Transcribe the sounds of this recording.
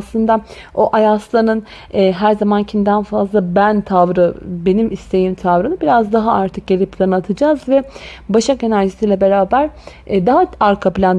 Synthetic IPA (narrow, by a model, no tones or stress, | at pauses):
slˠɯnd̪a | oʔajaslˠanɯnː | ɦæɾzamancʰimd̪ænfazlˠabænt̪ʰavɾɯbe̞nimist̪ʰe̞jimt̪ʰavɾɯnɯbiɾazd̪aɦaaɾt̪ʰɯk̚ɟe̞lʲipʰlʲˠanɯat̪ʰɯd͡ʒaːzvɛ | baʃake̞næɾʒisiːlʲɛbe̞ɾaːbæɾ | d̪aɦaaɾkʰapilʲan